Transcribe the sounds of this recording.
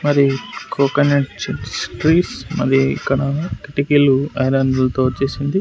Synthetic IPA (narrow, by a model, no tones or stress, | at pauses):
mɐɾikʰoːkɐneʈt͡ʃsʈɾiːʈsmɐ̰ɾiḭkːɐɽɐkiʈikiluɐ̰jlɐnd̪ɐlɐt̪o̞ːt͡ʃːeːsind̪i